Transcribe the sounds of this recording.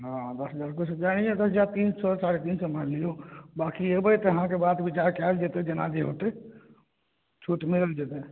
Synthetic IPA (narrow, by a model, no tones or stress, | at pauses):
ɦãd̪əsɦəd͡ʒaːɾkʊt͡ʃʰəd͡ʒaɽ̃ijed̪əsəd͡ʒaɾt̪insɔsaɽet̪iːnsəməɾlijobakiebəjt̪eɦãkebad̪bit͡ʃaɾkald͡ʒet̪ed͡ʒena̰d͡ʒeɦot̪e | t͡ʃʰuʈmiɾəld͡ʒet̪e